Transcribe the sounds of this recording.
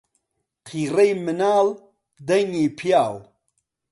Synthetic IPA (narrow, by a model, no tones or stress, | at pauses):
qʰiːrɐjmɨnaːl | d̪ɐŋiːpʰijaːl